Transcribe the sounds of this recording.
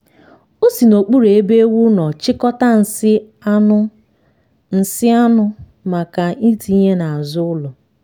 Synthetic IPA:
o˦si˨no˨k͡pu˦ɾe˨e˦be˦e˦wu˦nɔ˨t͡ʃɪ˦kɔ˦ta˦n̩˨sɪ˦ | n̩˨sɪ˦a˦nʊ˦ | ma˨ka˨i˦ti˨˦i˦ɲe˦na˨zʊ˦ʊ˦lɔ˨

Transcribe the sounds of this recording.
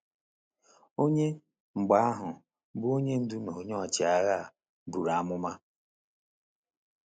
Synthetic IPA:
o˦ɲe˦ | ŋ͡m̩˨ɡ͡ba˨˦a˦ɦʊ˨ | bu˦o˦ɲe˦n̩˦du˦no˨ɲ˦ɔ˨t͡ʃɪ˨a˦˨ɣa˦˨ | bu˨ɾa˨a˦mʊ˦ma˦

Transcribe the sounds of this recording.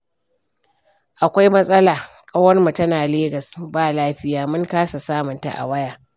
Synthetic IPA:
ʔa˨kʷa˦jmɐ˦sʼɐ˦laː˨ | kʼɐ˦wɐ˦rma˨tɐ˦naː˨leː˦ɡɐ˨sbaː˦laː˦ɸɪ˦jaː˨mʊ˦ŋkaː˦sa˨saː˦mʊ˨nta̰˨ʔa̰˨wɐ˦jaː˨

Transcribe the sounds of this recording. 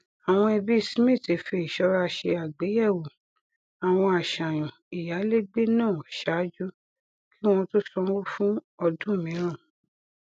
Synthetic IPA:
a˨w̃ɔ̃˧e˧bi˦˨si˨˦mĩ˦˨ti˨˦fe˧i˨ʃɔ˧˦ɾa˧ʃe˧a˨ɡ͡be˨˦jɛ˦˨wo˨ | a˨w̃ɔ̃˧a˨ʃã˨j̃ɔ̃˨ | i˨ja˨˦le˦ɡ͡be˦nãː˦˨ʃa˨˦d͡ʒu˦ | ki˦w̃ɔ̃˧to˦sɔ̃˧˦wo˦fũ˦ɔ˧dũ˦˨mĩ˨˦ɾ̃ã˦˨

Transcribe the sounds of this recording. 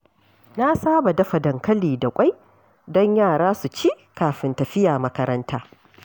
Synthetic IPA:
na˦saː˦ba˨dɐ˦ɸa˨dɐ˨ŋkɐ˦liː˨da˨kʷʼa˦j | dɔ˦ɲjaː˦˨ɽaː˦su˨t͡ʃiː˦ | kaː˨ɸɪ˦ntɐ˨ɸɪ˦jaː˨mɐ˦kɐ˦ɾɐ˦ntʰaː˦

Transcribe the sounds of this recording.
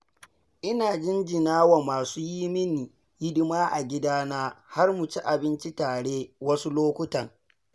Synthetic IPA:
ʔɪ˦naː˨d͡ʒɪ˦nd͡ʒɪ˨naː˦wa˨maː˨suː˦jiː˦mɪ˦ni˨ | jɪ˦dʊ˦maː˦ʔa˨ɡʲɪ˦daː˦naː˦ha˦rmʊ˨t͡ʃi˦ʔa˨bɪ˦nt͡ʃi˦taː˨ɽeː˦wɐ˦su˦loː˦kʷʊ˦tɐ˨ŋ

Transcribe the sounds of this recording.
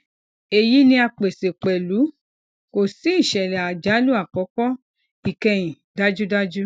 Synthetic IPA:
e˨ji˦nĩ˧a˧k͡pe˨se˨k͡pɛ˨lu˨˦ | ko˨si˨˦i˦˨ʃɛ˨lɛ˨a˨d͡ʒa˨˦lu˦a˦˨kɔ˨˦kɔ˦ | i˨kɛ̃˧˨j̃ĩ˨ | da˦d͡ʒu˦da˦d͡ʒu˦

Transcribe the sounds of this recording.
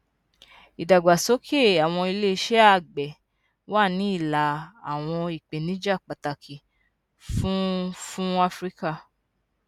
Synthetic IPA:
i˨da˨ɡ͡ba˨so˨˦kʰe˦˨a˨w̃ɔ̃˧i˧le˦i˧ʃɛ˦a˦˨ɡ͡bɛ˨ | wa˦˨nĩ˨˦i˦˨la˨˦a˨w̃ɔ̃˧i˨k͡pe˨nĩ˨˦d͡ʒa˦˨k͡pa˨ta˨kʰi˨ | fũ˦fũ˦a˦fɾi˦ka˦˨

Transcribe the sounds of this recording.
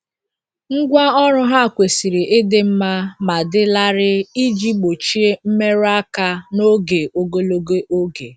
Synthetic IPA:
ŋ̩˦ɡʷa˦ɔ˦ɾʊ˦ɦa˦˨kʷe˨si˨ɾɪ˨ʔɪ˦dɪ˦m̩˦ma˦ma˨dɪ˦la˦ɾɪ˦i˦d͡ʒi˦k͡po˨t͡ʃi˦e˦m̩˦me˦ɾa˦ka˦no˦ɡe˨o˨ɡo˦lo˦ɡe˦ʔo˦ɡe˨

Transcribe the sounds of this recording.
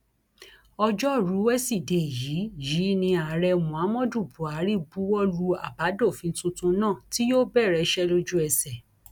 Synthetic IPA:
ɔ˧d͡ʒɔ˦˨ɾu˨˦wɛ˦si˦˨de˨ji˨˦ji˨˦nĩ˧a˨ɾɛ˧mũ˨a˨˦mɔ̃˦du˦˨bu˨a˨˦ɾi˦bu˨˦wɔ˦lu˧a̰˨ba˨˦do˦˨fĩ˨˧n̩˦tũ˧tũ˧nãː˦˨ti˦jo˦bɛ˦˨ɾɛ˧ʃɛ˦lo˧d͡ʒu˦ɛ˦˧sɛ˨

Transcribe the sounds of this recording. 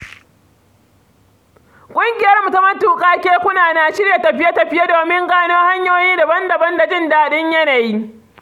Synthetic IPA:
kʷʼʊ˦ŋɡʲɪ˨jɐ˦rmu˨ta˦mɐ˦tuː˨kʼaː˦kʲeː˦kʷʊ˦naː˨na˨ʃɪ˦rja˨tɐ˨ɸɪ˦ja˦tɐ˨ɸɪ˦ja˦doː˨mɪ˦ŋɡaː˦noː˦ha˦ɲjoː˦jiː˦da˨bɐ˦ndɐ˨bɐ˦nda˨d͡ʒɪ˦nda˨ɗɪ˦ɲjɐ˦na˨ji˦

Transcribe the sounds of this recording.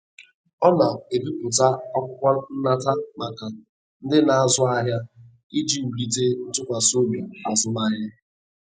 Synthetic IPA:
ɔ˦na˨e˨bi˦pʊ˨ta˦ɔ˦kʷʊ˦kʷa˦n̩˦na˦ta˦ma˨ka˨ | n̩˦dɪ˦na˨a˨zʊ˦a˦ɦja˦ | i˦d͡ʒi˦u˨ɾi˨te˦n̩˦tʊ˦kʷa˨so˦me˨a˨zʊ˦ma˦ɦa˦

